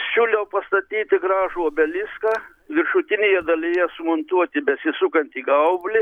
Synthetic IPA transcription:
ʃʲuːlʲɛʊpɐst̪ɐt̪ʲiːt̪ʲɪɡɾɑːʒuoːbʲɛlʲɪskɑː | ʋʲɪɾʃʊt̪ʲɪnʲeːjɛd̪ɐlʲɪjɛsʊmont̪uɔt̪ʲɪbʲɛsʲɪsʊkɐnʲt̪ʲiːɡɐʊbʲlʲɪ

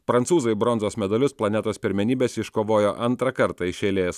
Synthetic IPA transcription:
pɾɐntsuːzɐɪbɾɔnzoːsmʲɛd̪ɐlʲʊsplˠɐnʲɛt̪oːspʲɪɾʲmʲɛnʲiːbʲeːsɪʃkoːʋoːjoːʔɐnt̪ɾɐkɐɾt̪ɐɪʃʲeːlʲeːs

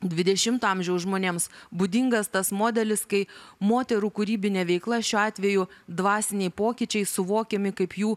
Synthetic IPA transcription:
d̪ʲʋʲɪd̪ʲɛʃʲɪmt̪oɑmʲʒʲɛʊsʒmoːnʲeːmsbud̪ʲɪŋɡɐst̪ɐsmoːd̪ʲɛlʲɪskɐɪmoːt̪ʲɛɾuːkʊɾʲiːbʲɪnʲɛʋʲɛɪklˠɐʃʲuːɑːt̪ʲʋʲɛjʊd̪ʋɑːsʲɪnʲɛɪpoːkʲɪt͡ʃʲɛɪsʊʋoːkʲɛmʲɪkɐɪpjuː

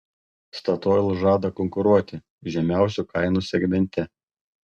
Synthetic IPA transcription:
st̪ɐt̪oːjlˠʒɑːd̪ɐkɔŋkʊɾuɔt̪ʲɪ | ʒʲɛmʲæˑʊsʲukɐɪnusʲɛɡʲmʲɛnʲt̪ʲɛ

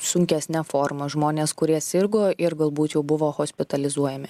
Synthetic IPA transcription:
sʊŋʲkʲɛsʲnʲɛfoːɾmɐʒmoːnʲeːskʊɾʲiɛsʲɪɾɡoːʔɪɾɡɐlˠbuːt̪jɛʊbʊʋoːxoːsʲpʲɪt̪ɐlʲɪzuɔjɛmʲɪ

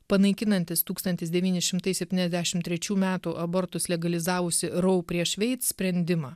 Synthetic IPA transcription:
pɐnɐɪkʲɪnɐnʲt̪ʲɪst̪uːkst̪ɐnʲt̪ʲɪsd̪ʲɛʋʲiːnʲɪsʃʲɪmt̪ɐɪsʲɛpʲtʲiːnʲɛzd̪ʲæːʃʲɪmt̪ʲɾʲɛt͡ʃʲuːmʲæːt̪uːʔɐbɔɾt̪ʊslʲɛɡɐlʲɪzɑːʋʊsʲɪɾɔʊpʲɾʲiɛʃʲʋʲɛɪt̪sʲpʲɾʲɛnʲd̪ʲɪmɑː

